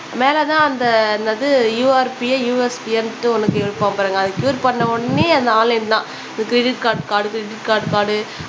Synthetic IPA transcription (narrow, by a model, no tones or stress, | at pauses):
meːlɛt̪ãːɐnd̪ɐnd̪ɐðɯjuːɐɾpɪjejuːɛspɪɛnʈːɯɔnɐkːɯɛɻɯʈpːaːŋpɐɾɯŋɡɐːðɯkjuːɾpɐɳːɐɔɽɐneːɐnd̪ɐaːlɪnt̪ãː | ɯkɾɛɖɪʈ̚kaːɾʈkaːɽɯkɾɪɖɪʈkaːɾʈkaːɽɯ